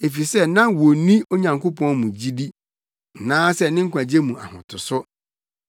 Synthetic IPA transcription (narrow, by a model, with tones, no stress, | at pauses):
e˨fi˨sɛ˦nã˦wo˨nĩ˦o˦ɲã˨ŋkʰo˦pɔ̃˦nmũ˨d͡ʑi˦di˦ | n̩˨nãː˦sɛ˦nɪ̃˦ŋ̩˦kʷʰã˨d͡ʑe˦mũ˨a̰˨hʊ̰̃˨tʰʊ˨sʊ˦